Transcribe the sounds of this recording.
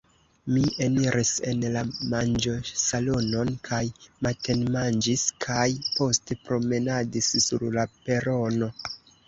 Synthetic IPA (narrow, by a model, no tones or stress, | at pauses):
mieniɾʔise̞nlamand͡ʒo̞salo̞no̞nkʰajmate̞nmand͡ʒiskʰajpo̞stepɾo̞me̞nadissṵɾlape̞ɾo̞no̞